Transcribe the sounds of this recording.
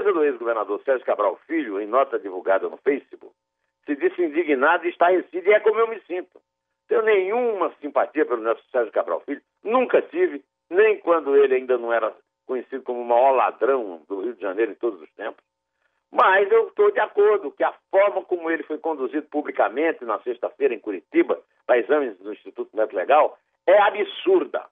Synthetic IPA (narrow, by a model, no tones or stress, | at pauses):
ezɐd̪ʊezɡoveɾnad̪oɾsɛɾʒʊkabɾawfiʎʊẽj̃nɔt̪ɐd̪ivuɡad̪ɐnʊ̰fejsibṵk | sɪdisĩd̪iɡinad̪ʊiʃt̪ahesĩd̪iɛkõmʊewmɪsĩnt̪ʊ̥ | t̪ẽjʊnẽj̃ũmɐsĩmpat̪iɐpelʊnɔsʊ̥sɛɾʒʊkabɾa̰wfiʎʊ | nũkɐtivɪ | nẽj̃kwɐ̃nd̪ʊelɪaĩnd̪ɐnɐ̃w̃ɛɾɐ | kõɲesid̪ʊkõmʊũmaɔla̰d̪ɾɐ̃w̃d̪ʊhiwʊd̪ɪʒɐ̃nejɾʊẽt̪od̪ʊzʊst̪ẽmpʊ̥s | mɐjzewt̪od̪ɪakoɾd̪ʊkɪɐfɔɾmɐkõmʊelɪfojkõnd̪uzid̪ʊpublikamẽnt̪ɪnɐseʃt̪ɐfejɾɐẽj̃kuɾit̪ibɐ | pɾɐizɐ̃mɪ̃zd̪ʊĩʃt̪it̪ut̪ʊmɛt̪ʊleɡaw | ɛabisuɾd̪ɐ̰